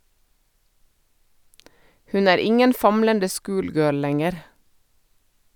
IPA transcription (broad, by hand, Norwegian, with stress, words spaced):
ˈhʉn ˈæːɾ ˈɪŋən ˈfɑmləndə ˈskʊːlˌɡøːl ˈlɛŋəɾ